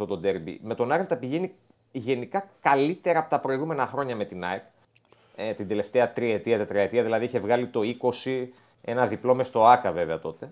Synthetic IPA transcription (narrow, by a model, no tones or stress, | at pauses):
ot̪o̞d̪eɾbḭme̞t̪o̞nɐɾt̪ɐpiʝe̞ni | ʝe̞nikɐkɐlit̪e̞ɾɐːpot̪ɐpɾo̞iɣume̞nɐxɾo̞ɲɐme̞t̪inɐik | t̪ind̪e̞le̞ft̪eɐt̪ɾiet̪iɐt̪et̪ɾiɐet̪iɐðilɐðiiçe̞vɣɐlit̪o̞iko̞si | e̞nɐðiplo̞mest̪o̞ɐkɐve̞veɐt̪o̞t̪e